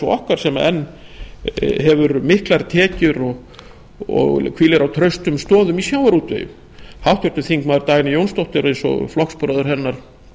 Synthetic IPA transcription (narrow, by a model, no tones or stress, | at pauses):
sɔɔhkaɾ̥sɛmaɛnː | ɦɛvʏɾmɪhklaɾt̪ʰɛːcʏɾɔɣ | ɔ̰ɣkʰviːlɪɾawt̪ʰɾœɥst̪ʏmst̪ɔːðʏmisjawaɾuːt̪vḛjʏ̰m | hawht̪jœɾt̪ʏθiŋkmaːðʏɾt̪aːjnɪjownst̪owht̪ɪɾejnsɔ̰flɔhkspʏɾaðʏɾ̥ɦɛnːaɾ̥